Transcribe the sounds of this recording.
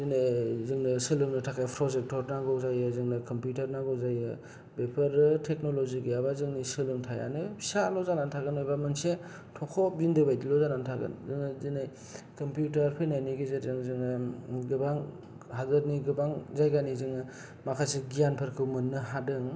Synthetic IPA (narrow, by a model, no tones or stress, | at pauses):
zinajzɯŋnɯsɯlɯŋnɯtʰakʰajpʰɾɔzek̚tɔɾnaɡɔzajɯzɯŋnɯkɔmpjutaɾnaɡɔzajɯ | bepʰɐɾɯtʰek̚noloziɡɯjabazɯŋnisɯlɯŋtʰaja̰nɯsalɔzanantʰaɡɯnojbamɯnse | tʰɔkʰɔbindɯbajdilɔzanantʰaɡɯ̰nzɯŋnɯzinaj | kɔmpjutɐɾpʰɯjnajniɡizetzɯŋzɯŋnɯɡɯbaŋ | ɦazɐɾniɡɯbaŋzajɡanizɯŋnɯ | makʰaseɡijanpʰɯɾkʰɯwmɯnːɯɦadɯŋ